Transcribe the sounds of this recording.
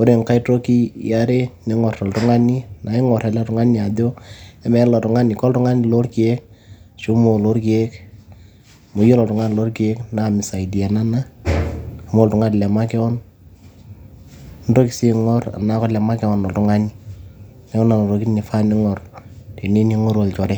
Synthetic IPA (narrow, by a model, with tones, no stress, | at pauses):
o˦ɾe˨ŋka˦i˦to˦ki˦ja˦ɾe˦nɪ˦ŋɔ˨rtɔ˨ltu˦ŋa˦ni˦na˨ɪ˦ŋɔ˨ɾɛ˨lɛ˦tʊ˨ŋa˦ni˦a˨do˦ɛ˦mɛ˨˦lɔ˨tʊ˨ŋa˦ni˨kɔ˦ltʊ˦ŋa˦ni˦lo˦rki˨e˦k̚ | ʃu˦mo˨lo˦rki˨e˦k | mo˨jo˦lɔ˨ltʊ˨ŋa˦n˨lo˦rke˦kna˨mɪ˨sa˨i˨di˨ɛ˨na˦na˦ | a˨m˦o˦ltʊ˨ŋa˦tlɛ˨ma˦kɛ˦ɔ˦n | n˦do˦ki˨si˦ŋɔ˦ra̰˨na˦kɔ˦lɛ˨ma˦kɛ˦wɔ˦nlɔ˨ltʊ˦ŋa˦ni˦ | nɛ˦ŋɔ˦na˨no˨ɾo˨ki˦ni˨fa˦nɪ˦ŋɔ˨rte˨ni˦ni˦ŋɔ˦ɾwo˨lt͡ʃɔ˨ɾɛ˦